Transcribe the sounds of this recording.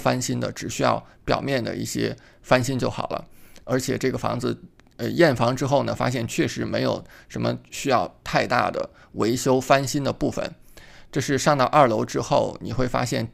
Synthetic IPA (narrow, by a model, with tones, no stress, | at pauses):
fa˥nɕi˥nd̪ə̰˨ʈ͡ʂɻ̩˨˩ɕy˥jɑ̰˥˩ʊpjɑ̰˨˩ʊmjɛ˥˩nd̪ə̰˩i˥˩ɕjɛ̰˥ | fa˥nɕi˥nt͡ɕjo˥˩ʊxɑ̰˨˩ʊlʔə̰˦ə˞˧˥t͡ɕʰjɛ˨˩ʈ͡ʂɤ˥˩ɡə˩fɑ̰˧˥ŋd͡zɹ̩˧ | ə˧jɛ˥˩nfɑ˧˥ŋʈ͡ʂɻ̩˥xo˥˩ʊnə˩fa̰˥ɕjɛ˥˩nt͡ɕʰɥɛ˥˩ʂɻ̩˧˥me˧˥ɪjo˨˩ʊʂə˧˥nmə̰˧ɕy˥jɑ˥˧ʊt̪ʰa˥˧ɪt̪a̰˥˩d̪ə̰˩ | we˧˥ɪɕjo˥ʊfa˥nɕi˥nd̪ə˨pu˥˩fə̰˨˩n | ʈ͡ʂɤ˥˧ʂɻ̩˥˧ʂɑ˥˧ŋt̪ɑ˥˧ʊʔə˞˥˩lo˧˥ʊʈ͡ʂɻ̩˥xo˥˩ʊni˨˩xwe˥˩ɪfa̰˥ɕjɛ˥˩n